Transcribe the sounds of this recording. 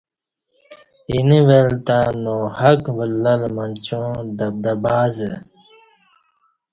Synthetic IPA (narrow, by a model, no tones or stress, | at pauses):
iniwelt̪anoːhɐkbəlːɐlmɐnt͡ɕõːd̪ɐb̚d̪ɐbaːze